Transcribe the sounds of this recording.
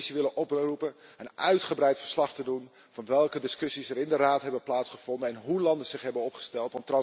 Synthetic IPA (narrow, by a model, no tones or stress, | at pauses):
siʋɪlənʔɔprupənənœɥtχəbrɛjtfəɹslɑχtədun | vɑnʋɛlˠkədɪskɵsisərɪndəraːtɦɛbəplaːtsχəv̥ɔndənɛnɦulɑndəz̥ɪχɦɛbənɔpχə̥stɛlˠtʋɑntrɑ